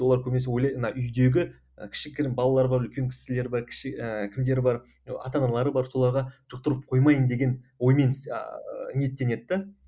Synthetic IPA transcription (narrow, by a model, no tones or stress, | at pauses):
woɑɾkʲʰɵmneswojlˠɑjnɑʔʏjd̪e̞ɡʲɪ̰ | kʲʰɪ̥ʃɪkʲʰɪɾɪnbɑlˠɑlˠɑɾbɑɾʏlkʲe̞ŋkʲʰɪ̥sɪle̞ɾbɑɾkʲʰɪ̥ʃɪəkʲʰɪmd̪e̞ɾɪbɑɾ | ɑ̰t̪ɑnɑlˠɑɾəbɑɾso̞lˠɑɾʁɑʒ̥ʊq̚t̪əɾəp̚qʰo̞jmɑjənd̪e̞ɡʲe̞nwo̞jme̞n | ne̞t̪ːe̞ne̞t̪ːɪ